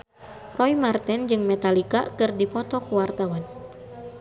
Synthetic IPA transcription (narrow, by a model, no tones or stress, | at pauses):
rɔimart̪ɛnd͡ʒɨŋmɛt̪alika̰kɨrdipɔt̪ɔkuwart̪awan